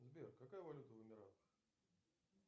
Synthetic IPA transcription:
zbʲerkɐkajəvɐlʲut̪əvɨmʲɪɾat̪

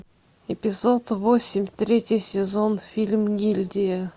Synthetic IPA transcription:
ɪpʲɪzot̪vosʲɪmʲt̪ɾʲetʲɪjsʲɪzonfʲilʲmɡʲilʲd̪ʲɪjə

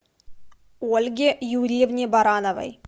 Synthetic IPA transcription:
olʲɡʲejuɾʲijevnʲebɑɾɑnovə̰j

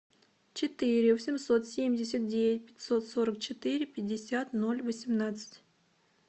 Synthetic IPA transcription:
t͡ɕɪt̪ɨɾʲɪvsʲɪmso̞t̪sʲemʲdʲɪsʲət̪̚dʲevʲɪtʲpʲɪ̥tʲso̞t̪so̞ɾək̚t͡ɕɪt̪ɨɾʲɪpʲɪdʲːɪsʲat̪nolʲvəsʲɪmnat̪sɨ̥tʲ

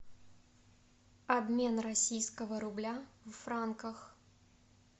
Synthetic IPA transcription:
abmʲenrasʲijskəvəɾʊblʲavɐfɾankəx

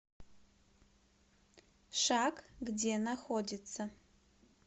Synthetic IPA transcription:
ʂakɡdʲenaxodʲɪt͡sʰːɐ

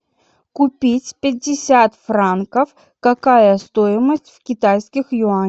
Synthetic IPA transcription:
kʊpʲitʲpʲɪdʲːɪsʲat̪fɾankəf | kɐkajəst̪oɪməsʲtʲfkʲɪt̪ajskʲɪxjʊa

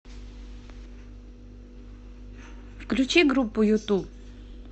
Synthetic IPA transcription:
fklʲut͡ɕʰeɡrupːujot̪u

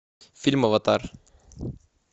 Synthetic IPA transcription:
fʲilʲmovɑt̪ɑɾ

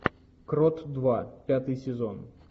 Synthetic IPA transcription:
kɾot̪d̪vapʲat̪ɨjsʲɪzo̞n

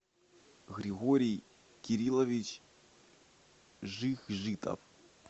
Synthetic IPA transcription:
ɣɾʲiɣoɾʲij | kʲiɾʲilˠovʲit͡ɕ | ʐɨxʐɨt̪ʰʼɐ̰f

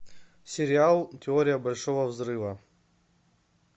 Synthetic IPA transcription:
sʲɪɾʲɪalˠtʲɪoɾʲɪjəbɐlʲʂovəvzrɨvɐ

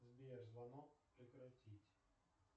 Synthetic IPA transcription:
zbʲiʒlɐnɔpɾɪkɾɐtʲitʲ

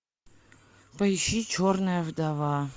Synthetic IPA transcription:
pɐɪʃit͡ʃʰornɨjəvd̪ɐva

